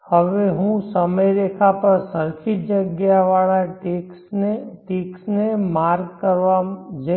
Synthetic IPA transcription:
həʋeɦũsəməjd̪eːkʰapɐɾsəɾkʰɪt̪̚d͡ʒəɡjaʋaːlaʈesʈeːksnemaːɾɡkəɾʋad͡ʒe

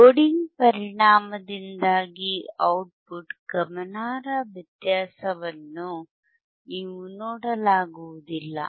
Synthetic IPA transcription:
oɽiŋɡpɐɾiɳaːmɐd̪ind̪aːɡiɐwʈ̚puʈɡ̥ɐmɐnaːɾɐʋjɐt̪jaːsɐʋɐnːu | niːʋunoːɽɐlaːɡuʋud̪ilːɐ̰

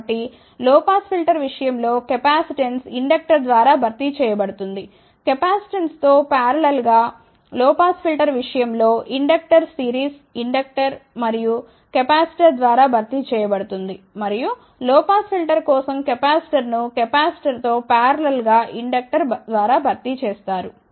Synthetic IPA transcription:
ʈːi | lɔːpaːspʰilʈɐɾʋiʂɐjɐmlo̞ːkɐpaːsiʈensiɳɖɐk̚ʈɐɾd̪ʋaːɾaːbʱɐɾt̪it͡ʃɛːjɐbɐɽut̪und̪i | kɐpaːsi̥ʈenst̪oːpaːɾɐlelɡaː | lɔːpaːspʰilʈɐɾʋiʂɐjɐmlo̞ːʔiɳɖɐk̚ʈɐɾsiːɾiːs | iɳɖɐk̚ʈɐɾmɐɾiju | kɐpaːsi̥ʈɐɾd̪ʋaːɾaːbʱɐɾt̪it͡ʃɛːjɐbɐɽut̪und̪i | mɐɾiju | lɔːpaːspʰilʈɐɾkɔːsɐmkɐpaːsi̥ʈɐɾnukɛpaːsi̥ʈɐɾt̪o̞ːpaːɾɐlelɡaːʔiɳɖɐk̚ʈɐɾd̪ʋaːɾaːbʱɐɾt̪it͡ʃɛːst̪aːɾu

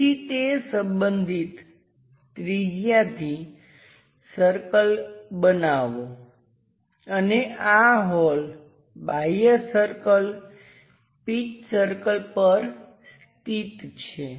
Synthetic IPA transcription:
it̪esə̃mbənd̪ʱit̪ː | ɾid͡ʒjat̪ʰi | səɾkəlbənaʋo | əneʔaɦɔl | bajəsəɾkəl | pit͡ʃsəɾkəlpəɾ | s | t̪it̪t͡ʃʰe

